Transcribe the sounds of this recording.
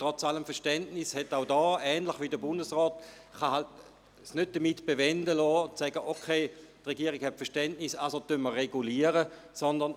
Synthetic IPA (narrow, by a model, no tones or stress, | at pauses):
tʁɔt͡saləmfɛɐʃtɛntnishɛtaʊdɔːɛːnləχʋidəbʊndəsʁɔːt | χaɦalt | snøt̚d̥əmitb̥evɛndəlɔːsɛɡəʔokʰeːtʁeɡiəʁiɡ̥hɛtfɛɐʃtɛntnisasotønməʁːeɡuliːəʁə | sɔndɐn